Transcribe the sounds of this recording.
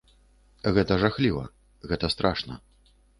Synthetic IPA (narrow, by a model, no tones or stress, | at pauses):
ɣɛt̪ɐʐaxlʲivɐ̰ | ɣɛt̪ɐst̪ɾʔaʂnɐ̰